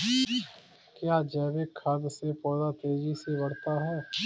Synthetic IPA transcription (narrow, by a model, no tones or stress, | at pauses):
kjaːd͡ʒɛːbekʰːəd̪sepɔːd̪at̪eːd͡ʒisebəɽt̪aɦɛː